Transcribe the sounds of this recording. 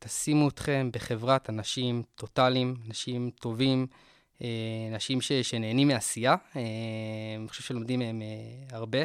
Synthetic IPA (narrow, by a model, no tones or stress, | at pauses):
t̪asimuit̪χe̞mbeχe̞vʁatanaʃimt̪o̞t̪alimanaʃimt̪o̞vim | eanaʃimʃe̞ʃe̞ne̞ːnimeasijae | niχo̥ʃevʃelo̞md̪imeemeaʁbe̞